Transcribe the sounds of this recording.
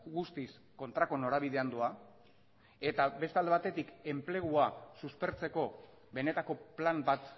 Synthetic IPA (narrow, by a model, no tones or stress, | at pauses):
ɡust̪is | ko̞nt̪ɾako̞noɾaβ̞iðe̞and̪ua | e̞t̪aβe̞st̪eald̪eat̪e̞t̪ike̞mple̞ɣ̞uasuspe̞ɾt͡se̞ko̞ | βe̞ne̞t̪ako̞plambat̪